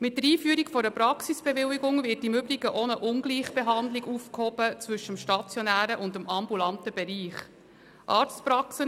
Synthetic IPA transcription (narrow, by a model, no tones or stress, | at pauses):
mɪt̚dəɾiːfyəɾikfɔɾəpɾɑksisb̥ɛvɪwiɡʊŋvɪɾtɪmʏbliɡəʔonəʔʊnɡliːχb̥eɦɑndliɡufkhɔbət͡svʏʃəmʃtɑt͡sjɔnæːɾəʔʊndəmʔɑmbulɑntəbɛɾiːχ | ʔɑːɾt͡stpɾɑksə